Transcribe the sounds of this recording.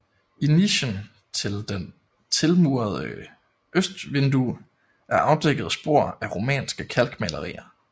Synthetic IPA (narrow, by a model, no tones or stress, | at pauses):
iniɕən | t͡sʰe̝ld̥en | t͡sʰe̝lmuːɐð̞ˠə | ʔøsd̥ʋe̝nd̥u | ʔæɐʔɑ̈ʊd̥eɡ̥əð̞̩ˠsb̥o̝ɐ̰æʁo̝mɛ̰ːnsɡ̥əkʰælɡ̥mælɐʁḭːɐ